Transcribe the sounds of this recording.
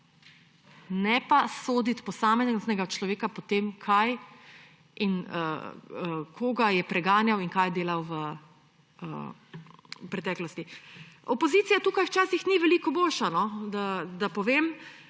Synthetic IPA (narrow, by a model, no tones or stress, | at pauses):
nɛpasoːd̪it̪pɔsaːmɛzznɛɡat͡ʃlɔʋeːkapɔt̪eːmkʰaj | inə̰ | kʰoɡajɛpɾɛɡaːnjawiŋkajd̪eːlawʋə | ə̰ | pɾɛt̪ɛːklɔst̪iɔpɔzit̪ijat̪uːkajwt͡ʃaːsixniʋɛlikɔboːlʃanɔd̪ad̪apɔʋem